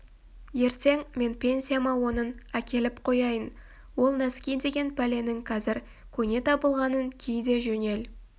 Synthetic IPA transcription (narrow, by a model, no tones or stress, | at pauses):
je̞ɾt̪e̞ŋme̞npʲʰe̞nsʲijamɑwo̞nənækʲe̞lɪpqʰo̞jɑjən | wo̞lˠnæskʲijd̪e̞ɡʲe̞npʰæle̞nɪŋqʰɑzɪɾ | kʲʰɵne̞t̪ʰɑbəlˠʁɑnənkʲʰijd̪e̞ʒɵne̞l